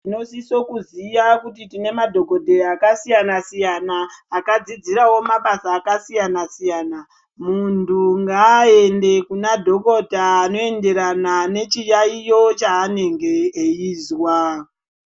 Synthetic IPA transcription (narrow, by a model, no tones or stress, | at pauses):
ino̞sisokuziʋakutitine̞madʱo̞ko̞dʱeakasijanasijanaːkad͡zid͡ziɾawo̞maɓasaːkasijanasijaːna | muntʰuŋɡaːe̞nde̞kunadʱo̞ko̞dʱaːno̞e̞nde̞ɾanane̞t͡ʃijaijo̞t͡ʃaːne̞ŋɡe̞ːiːzwa